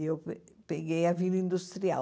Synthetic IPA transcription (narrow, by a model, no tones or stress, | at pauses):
ewp | peɣejɐvilĩnd̪ust̪ɾia